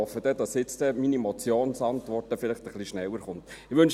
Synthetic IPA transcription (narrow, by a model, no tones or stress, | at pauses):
ɔfəd̥ɛd̥ɑsjɪt͡stɛminimɔt͡sjoːnsɑntʋɔrtəfɪlɪχtəχliʃnɛwəɾχʊntɪʋʏnʃ